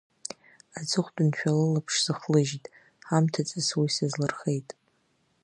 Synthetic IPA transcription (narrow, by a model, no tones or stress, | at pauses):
ad͡zʰʼɨχʷdɨnt͡ɕʷᶣalɨlapʰʂz̥ɨχlɨʒtʼ | ħamtʰat͡sʼɨswisazlɨrχe̞jtʼ